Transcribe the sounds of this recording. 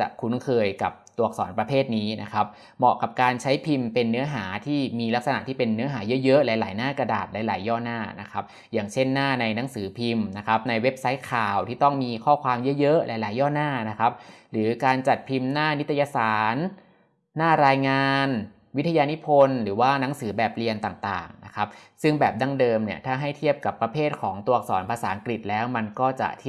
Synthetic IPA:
t͡ɕa̰˨˩ʔkʰu˦˥nkʰɤː˧jka˨˩p̚t̪u˨˩ək̚sɔː˩˦npɾa˧pʰeː˥˩t̪̚niː˦˥na̰˦˥kʰa˦˥p̚ | mɔ̰˨˩ka˨˩p̚kaː˧nt͡ɕʰa˦˥jpʰi˧mpe˧nːɯ˦˥ɐɦaː˩˦t̪ʰiː˥˩miː˧la˦˥k̚sa˧na˨˩t̪ʰiː˥˩pe˧nːɯ˦˥ɐɦaː˩˦jɤ˦˥ʔjɤ˦˥ʔlɛː˨˦jlaː˩˦jnaː˥˩kɾa˧daː˨˩t̪̚lɛː˨˦jla̰ː˨˩˦jːɔː˥˩naː˥˩na˦˥kʰa˦˥p̚ | jaː˨˩ŋt͡ɕʰe˥˩nːaː˥˩na˧jna˦˥ŋsɯː˩˦pʰi˧mna˦˥kʰa˦˥p̚na˧jwe˦˥p̚sa˦˥j̚kʰaː˨˩wt̪ʰiː˥˩t̪ɔ˥˩ŋmiː˧kʰɔː˥˩kʰwaː˧mjɤ˦˥ʔjɤ˦˥ʔlʔa̰ː˨˩˦jla̰ː˩˦jɔː˥˩naː˥˩na˦˥kʰa˦˥p̚ɾɯː˩˦kaː˧nt͡ɕa˨˩t̪̚pʰi˧mnaː˥˩ni˦˥t̪ʰːa˧jaː˧saː˨˩˦nː | aː˥˩ɾaː˧jŋaː˧n | wi˦˥t̪ʰa˧jaː˧ni˦˥pʰo˧nɾɯː˩˦waː˥˩na˩˦ŋsɯː˩˦bɛː˨˩p̚li˧ənt̪aː˨˩ŋt̪a̰ː˨˩ŋna˦˥kʰa˦˥p̚sɯ˥˩ŋbɛː˨˩p̚da˧˩ŋdɤː˧mni˥˩ɐt̪ʰaː˥˩ɦa˥˩jt̪ʰi˥˩əp̚ka˨˩pːɾa˧pʰeː˥˩t̪̚kʰɔː˩˦ŋt̪u˧ɐk̚sɔː˩˦npʰaː˧saː˩˦ʔa˧ŋkɾi˨˩t̪̚lɛː˦˥wma˧nkɔː˥˩t͡ɕa̰˨˩t̪ʰ

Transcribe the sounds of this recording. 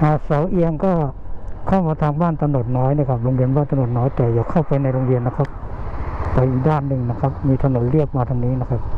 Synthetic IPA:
ʔaː˨˩sa˩˦wʔi˧əŋkɔː˥˩kʰa˥˩wmaː˧t̪ʰaː˧ŋbaː˥˩nt̪a˧no˨˩t̪̚nɔː˦˥jni˥˩əkʰa˦˥p̚ɾo˧ŋɾi˧ənbaː˥˩nt̪a˧nu˨˩t̪̚nɔː˦˥jt̪ɛː˨˩jaː˨˩kʰa˥˩wpa˧jna˧jɾo˧ŋɾi˧ənːa˦˥kʰa˦˥p̚ | pa˧jʔiː˨˩k̚daː˥˩nːɯ˨˧ŋna˦˥kʰa˦˥p̚miː˧t̪ʰa˧no˨˩˦nɾi˥˩ək̚maː˧t̪ʰaː˧ŋniː˦˥na˦˥kʰa˦˥p̚

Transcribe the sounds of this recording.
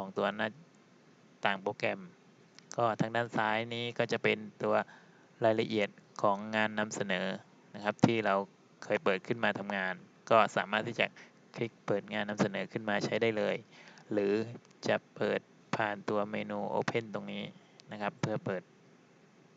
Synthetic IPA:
kʰɔː˩˦ŋt̪u˧ɐna˧˥˩ | t̪aː˨˩ŋpoː˧kɛ˧m | kɔː˥˩t̪ʰaː˧ŋdaː˥˩nsaː˦˥jniː˦˥kɔː˥˩t͡ɕa˨˩ʔpe˧nt̪u˧ɐ | ɾaː˧jla˧ʔi˨˩ət̪̚kʰɔː˩˦ŋːaː˧nːa˧msa˧nɤː˩˦ | na˦˥kʰa˦˥p̚t̪ʰiː˥˩ɾa˧w | kʰɤː˧jpɤː˨˩t̪̚kʰɯ˥˩nmaː˧t̪ʰa˧mŋaː˧n | kɔː˥˩saː˩˦maː˥˩t̪ʰːiː˥˩t͡ɕa˨˩ | kʰɾi˦˥k̚pɤː˨˩t̪̚ŋaː˧nːa˧msa˧nɤː˩˦kʰɯ˥˩nmaː˧t͡ɕʰa˦˥jdaː˥˩jlɤː˧jɾɯː˩˦ | t͡ɕa˨˩ʔpɤː˨˩t̪̚ | pʰaː˨˩nt̪u˧ɐmeː˧nuː˧ʔo̰ː˧pʰe˥˩nt̪o˧ŋniː˦˥ | na˦˥kʰa˦˥pʰːɯ˥˩ɐpɤː˨˩t̪̚

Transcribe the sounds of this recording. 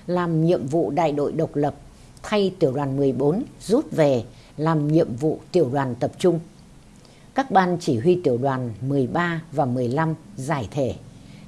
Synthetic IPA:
laː˨˩mɲḭ˧˨əmvṵ˧˨ɗa̰ː˧˨jɗo̰˧˨jɗə˨˩wk͡p̚lə˨˩p̚ | t̪ʰa˧jt̪i˧˩əwɗwaː˨˩nmɨ˨˩əjɓo˨˦nzu˦˥t̚ve˨˩ | laː˨˩mɲḭ˧˨əmvṵ˧˨t̪i˧˩əwɗwaː˨˩nt̪ə˨˩p̚t͡ɕʊ˧ŋ͡m | kaː˦˥k̚ɓaː˧nt͡ɕi˧˩ɦwi˧t̪i˧˩əwɗwaː˨˩nmɨ˨˩əjɓaː˧vaː˨˩mɨ˨˩əjla˧mzaː˧˩jt̪ʰe˧˩

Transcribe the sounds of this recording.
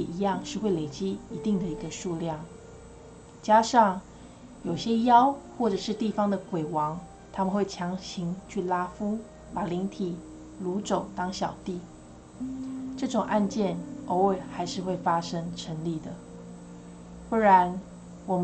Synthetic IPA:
i˧˥jɑ˥˧ŋʂɻ̩˥˧xwe˥˩ɪle˨˩ɪt͡ɕi˥i˧˥t̪i˥˩ŋd̪ə˨i˧˥ɡə˧ʂu˥˧ljɑ˥˩ŋ | t͡ɕja˥ʂɑ˥˩ŋ | jo˨˩ʊɕjɛ˥jɑ˥ʊxwɔ˥˩ʈ͡ʂɤ˨˩ʂɻ̩˥˧t̪i˥˩fɑ˥ŋd̪ə˨kwe˨˩ɪwɑ˧˥ŋ | t̪ʰa˥mə˨nxwe˥˩ɪt͡ɕʰjɑ˧˥ŋɕi˧˥ŋt͡ɕʰy˥˩la˥fu˥ | pa˨˩li˧˥ŋt̪ʰi˨˩ | lu˧˥ʈ͡ʂo˨˩ʊt̪ɑ˥ŋɕjɑ˨˩ʊt̪i˥˩ | ʈ͡ʂɤ˥˩ʈ͡ʂʊ˨˩ŋʔa˥˧nt͡ɕjɛ˥˩nʔo˧˥˦ʊwe˥˩ɪxa˧˥ɪʂɻ̩˥˧xwe˥˩ɪfa˥ʂɤ˥ŋʈ͡ʂʰə˧˥nli˨˩d̪ə˩ | pu˥˩ɻa˧˥n | wɔ˨˩m˦

